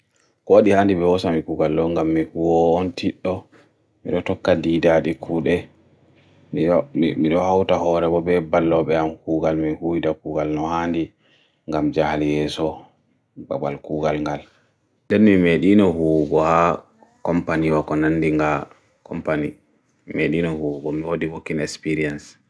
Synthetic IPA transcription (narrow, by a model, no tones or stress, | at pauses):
kɔwaɗihaːndibɛwɔsamikuɡalɗɔŋɡamːihuwɔːntiɗːɔ | mḭɗɔtɔkːadidaɗikʰuːɗɛ | mimiɗɔhawtahɔɾɛbɔbɛbalːɔɓɛamkuːɡalmihujdakuːɡalnɔhandi | ŋɡamd͡ʒahljɛːsɔ | ba̰ɓa̰lkuːɡalŋɡal | dɛnmimeɗinɔhuɡɔha | kɔmpaniwakɔnanːdiŋɡa | kʰɔmpani | meɗinɔhuɡɔmiwodiwokːinɛspiɾians